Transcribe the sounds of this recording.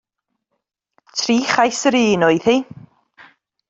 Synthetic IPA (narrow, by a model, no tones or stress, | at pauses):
tʰriːχajsəɾiːnʊɨðhi